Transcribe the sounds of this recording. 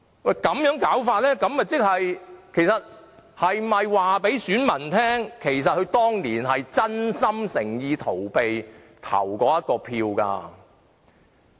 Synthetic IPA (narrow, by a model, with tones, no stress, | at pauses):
wɐ˥˨jkɐ˨˥mjœː˨˥ŋkaː˨˥wfaː˧t̚lɛː˥kɐ˨˥mjɐ˨˩t͡sɪ˥k̚hɐ˨jkʰe˨˩jsɐ˨t̚hɐ˨jmɐ˨jwaː˨pe˨˥jsyː˨˥nmɐ˨˩nt̪ʰɛː˥ŋkʰe˨˩jsɐ˨t̚hɵ˨˧ɥt̪ɔː˥ŋliː˨˩nɦɐ˨jt͡sɐ˥nsɐ˥msɪ˨˩ŋjiː˨˧t̪ʰo˨˩wpe˨j | t̪ʰɐ̰˨˩wkɔː˨˧jɐ˥t̚kɔː˧pʰiː˧wka̰ː˧